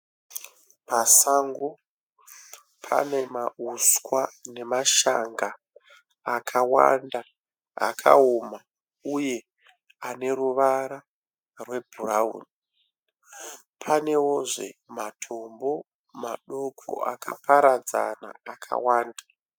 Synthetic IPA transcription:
pasaŋɡo | pʰa̰ne̞mauskwane̞maʃaŋɡaː | kʰawa̰nda | a̰kʰa̰oma | uje̞ | ane̞ɾuʋaɾa | rwe̞bʱuraṵːni | pʰane̞woʐḛmatʰo̞mbo̞ | maɗo̞kʰo̰akʰa̰paɾad͡za̰na̰ːkʰa̰waːnda

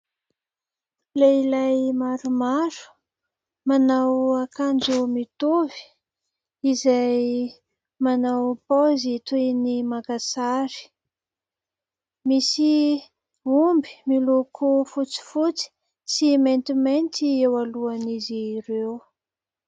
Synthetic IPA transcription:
lailajmaɾumaɾu̥ | manawakand͡ʒumit̪uvi̥ | izaj | manawpozit̪uinimakasaɾi̥ | misi | umbi̥milokʰufut͡si̥fut͡si̥ | siment̪iment̪iewaluaniziɾew

